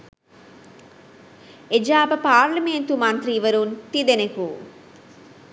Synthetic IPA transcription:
ed͡ʒaːbɐpaːɾlɐment̪umɐnt̪ɾiːʋɐɾunt̪id̪eneku

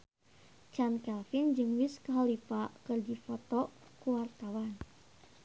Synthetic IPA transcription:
t͡ʃankɛlfind͡ʒɨŋwiskaɦalipakɨrdifɔt̪ɔ | kuwart̪awan

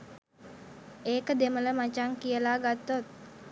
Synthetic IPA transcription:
ʔekəd̪emələmat͡ʃaŋkiəlaɡat̪ɔt̪̚

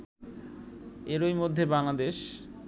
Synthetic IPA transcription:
eɾojmod̪ʱːebaŋlad̪eʃ

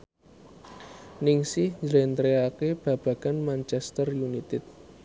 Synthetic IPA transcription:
nɪŋsɪhɲd͡ʒəlent̪ɾeakeb̥ä̤b̥ä̤ɡ̥a̤nmant͡ʃɛst̪ərjunit̪ɪt̪̚

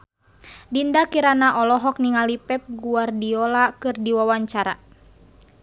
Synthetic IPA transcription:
dindakiɾanaʔɔlɔɦɔk̚niŋalipɛp̚ɡuardiɔlakɨrdiwawaɲt͡ʃaɾa̰

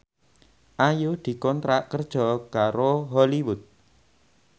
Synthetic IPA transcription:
ʔajod̪̥i̤kɔnt̪ɾaʔkərd̥ʒ̥ɔkaɾoɦɔliwʊt̪̚

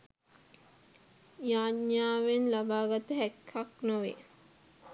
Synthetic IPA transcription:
jaːɲaːʋenlabaːɡat̪əɦækʰːaknoʋḛ

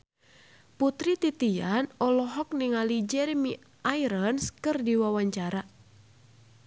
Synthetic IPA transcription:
put̪ɾit̪it̪ianɔlɔɦɔk̚niŋalid͡ʒɛɾmi | ʔaiɾənskɨrdiwawaɲt͡ʃaɾa

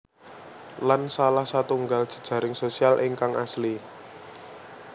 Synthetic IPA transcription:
lansalahsat̪uŋɡaldʒ̥ə̤̥d̥ʒ̥ä̤ɾɪŋsosialʔɪŋkaŋa̰sli

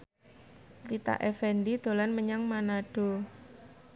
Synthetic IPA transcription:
lit̪a̰ʔefɛndid̪̥o̤lanməɲaŋmanaɖ̥o̤

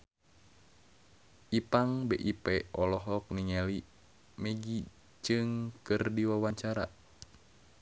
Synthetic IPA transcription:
ʔipaŋbɛʔipɛɔlɔɦɔk̚niŋɛli | mɛɡi | d͡ʒɨŋkɨrdiwawaɲt͡ʃaɾa̰

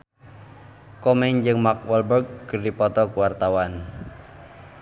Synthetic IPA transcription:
kɔmɛŋd͡ʒɨŋmak̚wɛlbərk̚ːərdipɔt̪ɔkuwart̪awan

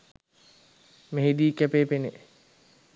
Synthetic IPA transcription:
meɦid̪iːkæpeːpene

